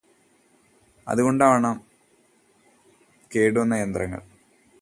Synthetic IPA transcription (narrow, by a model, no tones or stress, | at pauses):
ɐ̰ðuɣo̞ɳɖaːʋɳaːm | ke̞ːɽuɐnːɐjend̪rɐŋːɐ̰ɭ